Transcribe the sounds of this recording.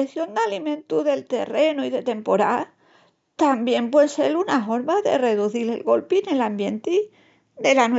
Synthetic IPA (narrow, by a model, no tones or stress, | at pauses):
eθjo̞nd̪alimẽ̞nt̪uðe̞lt̪e̞̰re̞nuiðe̞t̪e̞mpo̞ɾa | t̪ambje̞mpweselunaɦo̞ɾmaðe̞̰re̞ðuθilḛlɣo̞lpine̞lambje̞nt̪i | d̪e̞lan